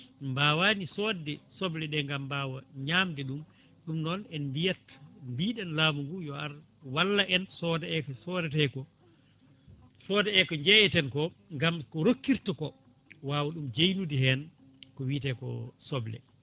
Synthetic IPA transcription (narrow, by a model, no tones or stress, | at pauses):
mbaːwaːnisɔdɛsɔblɛɗɛŋɡambaːwaɲaːmdɛɗum | ɗumnɔnɛnmbijatmbiːɗɛnlaːmuŋɡujɔaɾ | walːaʔɛnsɔdɛɛkɔsɔːdɛtɛkɔ | sɔːdɛɛkɔɲd͡ʒɛjɛtɛnkɔŋɡamkɔɾokːiɾtɔkɔ | waːwaɗumd͡ʒejnudihɛn | kɔwitɛkɔ̰sɔblɛ̰